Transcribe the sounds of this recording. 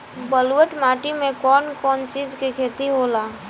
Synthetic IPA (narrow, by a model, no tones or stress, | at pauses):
bəlwəʈmaːʈimẽkɔːnkɔːnt͡ʃiːd͡ʒkekʰeːt̪iɦolaː